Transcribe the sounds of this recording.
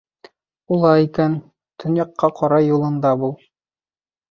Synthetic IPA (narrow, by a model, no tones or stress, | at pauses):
ulˠɑikæn | t̪ʰɵ̆njɑqʰːɑqɒɾɑjulˠɤ̆nd̪ɑbulˠ